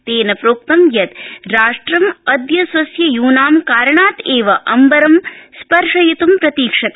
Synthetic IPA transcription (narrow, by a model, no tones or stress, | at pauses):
t̪eːnɐpɾoːk̚t̪ɐmjɐt̪ɾaːʂʈɾɐmɐd̪jɐsʋɐsjɐjuːnaːmkaːɾɳaːt̪eːʋɐʔɐmbɐɾɐmspɐɾʂɐjit̪umpɾɐt̪iːkʂɐt̪